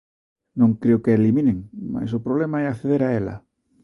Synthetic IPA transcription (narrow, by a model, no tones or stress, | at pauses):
nõŋkɾeokeelimineŋma̰s̬opɾoβ̞lemaɛakθeðeɾaela̰